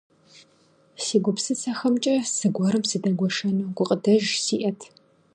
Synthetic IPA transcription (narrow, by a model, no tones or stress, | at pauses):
siːɡʷʊpsɨt͡sʰɐxɐmt͡ʃʼɐsɨɡʷɔɾɨmsɨdɐɡʷɔʃɐnuːɡʷʊqʼədɐʒsiːʔɐtʰ